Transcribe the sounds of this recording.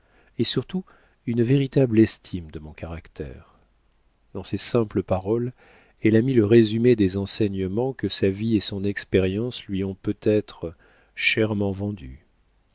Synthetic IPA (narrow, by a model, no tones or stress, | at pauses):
esyʁt̪u | ynveʁit̪ablɛst̪ʰimd̪əmɔ̃kaʁakt̪ʰɛ̰ʁ | d̪ɑ̃sesɛ̃pləpaʁɔl | ɛlamiləʁezymed̪ezɑ̃sɛɲəmɑ̃kəsaviesɔ̃nɛkspɛʁjɑ̃slɥiɔ̃pøt̪ɛt̪χə | ʃɛʁmɑ̃vɑ̃d̪y̰